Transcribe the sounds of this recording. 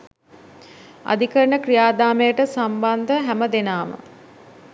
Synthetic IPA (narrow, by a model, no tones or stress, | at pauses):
a̰d̪ikəɾəɳəkrijaːd̪aːmejəʈəsamband̪əɦæməd̪enaːmə̰